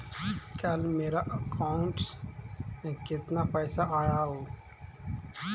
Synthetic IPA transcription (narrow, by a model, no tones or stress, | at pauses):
kɐlmeːɾaʔəkaːʊɳʈs | kɪt̪napɛːsaʔaːjaɦoː